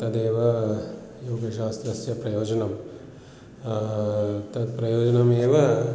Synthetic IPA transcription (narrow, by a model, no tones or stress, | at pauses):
t̪ɐd̪eːʋɐ | joːɡɐʃaːst̪ɾɐsjɐpɾɐjoːd͡ʒɐnɐm | t̪ɐd̪pɾɐjoːd͡ʒɐnɐmeːʋɐ